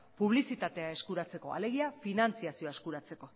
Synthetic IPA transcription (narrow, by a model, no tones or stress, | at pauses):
puβ̞lisit̪at̪e̞ae̞skuɾat͡se̞ko̞a̰le̞ɣ̞iafinant͡siasio̞aeskuɾat͡se̞ko̞